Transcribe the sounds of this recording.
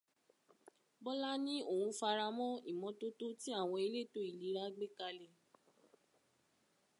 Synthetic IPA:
bɔ˦la˦nĩ˦o˦˨wũ˨˧fa˧ɾa˧mɔ̃˦i˦˨mɔ̃˨˧˦to˦to˦ti˦a˦˨w̃ɔ̃˧i˧le˦˨to˨˦i˦˨li˨˦ɾa˦ɡ͡be˦ka˧le˧

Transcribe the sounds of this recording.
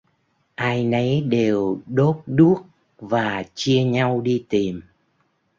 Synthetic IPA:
ʔaː˧jnə˨˦jɗe˨˩wɗo˦˥p̚ɗu˦˥ək̚ | vaː˨˩t͡ɕi˧əɲa˧wɗi˧t̪i˨˩m

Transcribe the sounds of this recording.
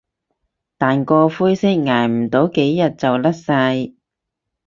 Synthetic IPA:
t̪aː˨nkɔː˧fuː˥jsɪ˥k̚ŋaː˨˩jm̩˨˩t̪o˨˥wke˨˥jːɐ˨˩t̚t͡sɐ˨wlɐ˥t̚sa˧j

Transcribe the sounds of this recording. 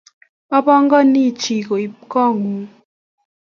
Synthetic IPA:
a˦bɔ˦ŋɡɔ˦ni˦˨t͡ʃi˨ko˨i˨kɔ˦˨ŋu˨

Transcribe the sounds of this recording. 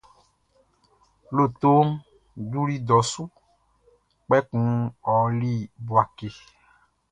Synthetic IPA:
lo˦˨t̪o˦ | du˦ɾi˦d̪ɔ˨˦su˦ | k͡pɛ˦kũ˦ɔ˨li˦˨bu˨a˨ke˨

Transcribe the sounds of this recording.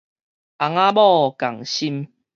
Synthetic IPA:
ʔa˨ŋa˦bɔ˥˦˨ka˨˩ŋɕi˦m

